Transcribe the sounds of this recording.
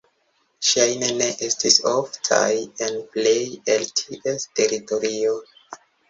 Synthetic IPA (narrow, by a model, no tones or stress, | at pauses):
ʃajneneʔestisoftʰa̰jenplejeltʰiʔeste̞ɾito̞ɾio